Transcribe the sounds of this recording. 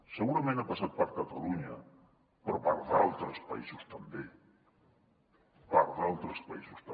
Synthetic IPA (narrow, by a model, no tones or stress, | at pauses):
seɣuɾamẽnt̪apasat̪̚paɾkat̪aluɲa | poɾpaɾðalt̪ɾespa̰isost̪ambe | paɾðalt̪ɾespaisost̪a